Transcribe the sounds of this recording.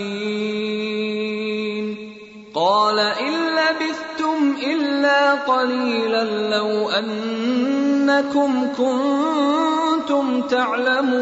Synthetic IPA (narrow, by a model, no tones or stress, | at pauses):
n | qɑːlaʔɪnːabɪθt̪ʊmʔɪlːaːqɑliːlanlawʔanː | akʊmkʊn | t̪ʊmt̪aʕlamuː